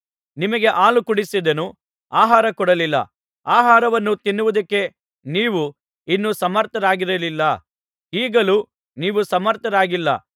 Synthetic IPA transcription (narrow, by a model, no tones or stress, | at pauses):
nimɐɡe̞ʔaːlukuɽisid̪ɐnu | aːɦaːɾɐkɔɽɐlilːɐ̰ | aːɦaːɾɐʋɐnːut̪inːuʋud̪ɐkːe̞ | niːʋu | inːusɐmɐɾt̪ɐɾaːɡiɾɐlilːɐ | iːɡɐlu | niːʋusɐmɐɾt̪ʰɐɾaːɡilːɐ̰